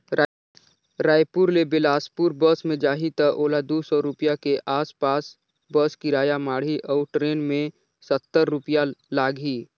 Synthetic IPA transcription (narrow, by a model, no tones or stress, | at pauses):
ɾaːjpuɾlebɪlaːspuɾbəsmẽd͡ʒaːɦit̪əʔoːlad̪oːsɔɾʊpjakeʔaːspaːs | bəskiɾaːjamaːɽ̤iʔɔːɾʈɾeːnmẽ | sət̪ːəɾːʊpjalaːɡɦiː